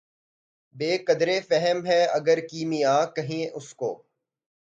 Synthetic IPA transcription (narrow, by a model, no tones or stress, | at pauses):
beːkɐd̪ɾefɛɦəmɦɛɐɡəɾkiːmijãːkɐɦẽʔʊsko̰ː